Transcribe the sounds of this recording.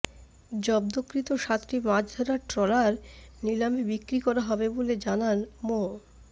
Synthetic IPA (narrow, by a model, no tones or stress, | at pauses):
d͡ʑɔbd̪okɾit̪oʃat̪ːɾimad͡ʑd̪ʱɔɾaɾʈɾɔlaɾnilamibikɾikɔɾaɦɔbeboled͡ʑananmo